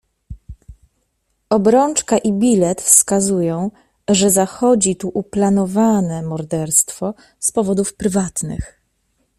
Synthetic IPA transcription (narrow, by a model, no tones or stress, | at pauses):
ɔbɾɔnt͡ʂkaʔibʲilɛt̪fskazujɔ̃w̃ | ʐɛzaxɔd͡ʑit̪uʔuplanɔvanɛmɔɾd̪ɛɾst̪fɔ | spɔvɔd̪ufpɾɘvat̪nɘ̰x